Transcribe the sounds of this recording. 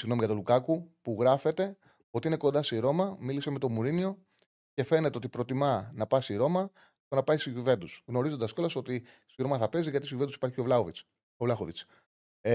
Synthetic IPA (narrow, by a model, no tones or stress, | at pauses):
siɣno̞miʝɐt̪o̞lukɐkupuɣɾɐfe̞t̪e̞ | o̞t̪iine̞ko̞nd̪ɐsiɾo̞mɐmiliseme̞t̪o̞muɾinio̞ | ce̞fe̞ne̞t̪eo̞t̪ipɾo̞t̪imɐnɐpɐsiɾo̞mɐ | t̪o̞nɐpɐist̪iʝuve̞nd̪usɣno̞ɾizond̪ɐsko̞lɐso̞t̪i | st̪iɾo̞mɐθɐpe̞ziʝɐt̪is̬iʝuved̪usi̥pɐɾçio̞vlɐovit͡s | ovlɐxovit͡s